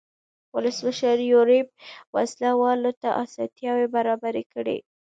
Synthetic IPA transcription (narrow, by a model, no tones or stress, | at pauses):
wʊləsməʃəɾjoɾeb̚waslawɑlot̪aʔasɑ̰t̪jɑwebaɾɑbaɾekəɽḛ